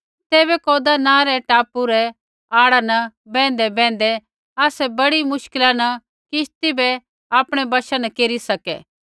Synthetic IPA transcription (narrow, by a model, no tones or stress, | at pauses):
t̪eːβɛkoːd̪anãːɾɛʈaːpːuɾɛ | aːɽanɐbɛ̃ːn̆d̪ɛbɛ̃ːnd̪ɛ | aːsɛbɐɽimʊʃkɪlanɐ | kɪʃt̪ibɛ | aːpɽ̃ɛbɐʃanɐkeːɾisɐkɛ̰ː